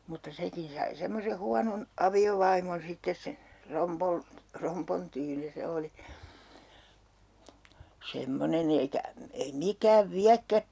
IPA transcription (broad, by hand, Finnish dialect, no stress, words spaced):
mutːɑ sekin sɑi semːose huɑnon ɑʋioʋɑimon sitːes se eikæ ei mikæːʋ ʋiækːæp